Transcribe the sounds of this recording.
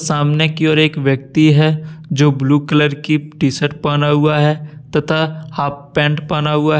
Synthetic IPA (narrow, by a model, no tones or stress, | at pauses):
saːmnekiɔːɾeːkʋjək̚t̪iɦɛd͡ʒoːbluːkələɾkiʈisəʈ̚paːnaɦuaɦɛt̪ɐt̪ʰaaːpːɛ̃ːɳʈpaːnaɦuaɦ